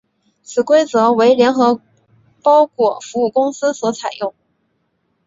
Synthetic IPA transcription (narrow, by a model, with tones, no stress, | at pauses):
t͡sʰɹ̩˨˩kwe˥ɪt͡sɤ˧˥we˧˥ɪljɛ˧˥nxɤ˧˥ | pɑ˥ʊkʰwɔ˥˩fu˧˥u˥˩kʊ˥ŋsɹ̩˥swɔ˧˥t͡sʰa˨˩ɪjʊ˥˩ŋ